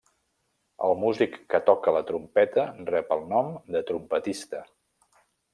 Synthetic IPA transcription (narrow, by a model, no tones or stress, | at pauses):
ə̰lˠmuzikːət̪ɔkələt̪ɾumpɛt̪ərɛpəlˠnɔmd̪ət̪ɾumpət̪ist̪ə